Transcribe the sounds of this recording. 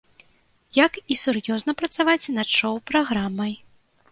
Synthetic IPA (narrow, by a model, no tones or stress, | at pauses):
jakisurjɔznɐpɾɐt̪savat͡sʲnɐt̪t͡ʂɔwpɾaɣɾamɐj